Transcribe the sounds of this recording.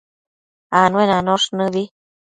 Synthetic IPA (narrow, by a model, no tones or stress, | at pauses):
anwenanoʂnɨ̃βi